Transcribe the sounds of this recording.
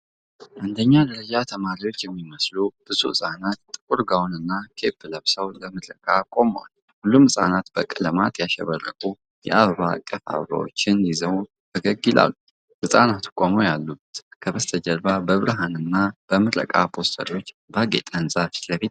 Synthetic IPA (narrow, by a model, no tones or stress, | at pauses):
ʔand̪əɲːad̪əɾəd͡ʒat̪ʰəmaɾiwo̞t͡ʃːjɛmːiməslubɨsṵɨsʼanat̪ːʼɨkʼuɾɡawnɨnːakʰe̞pːɨləβsəwləmɨɾəkʼakʼo̞mwa̰l | hulːumɨsʼa̰nat̪b̥əkʼːɨləmat̪ʰjaʃɛ̰βərːə̰kʼu | jɛ̰ʔaβəβakʼːəfa̰βəβa̰wo̰t͡ʃːɪnlizəw | t̪ʰəɡəɡila̰lːu | ʔɨsʼanat̪u̥kʼomojalːut̪kʰəβəst̪ʰəd͡ʒəɾβabəβɨɾɦanɨnːab̥əmɨɾə̰kʼapʰo̞st̪ʰə̰ɾio̞t͡ʃː | baɡḛt̪ʼənsʼafi̥ləfit̪̚